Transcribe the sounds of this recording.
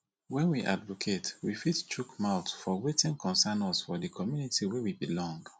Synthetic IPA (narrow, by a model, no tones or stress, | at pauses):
wɛ̃nwiʔa̰dvokʰetwifitt͡ʃukmaʊtfɔwetĩnkʰɔ̃nsanɔsfɔdikʰɔmjunitiwewibilɔ̃ŋɡ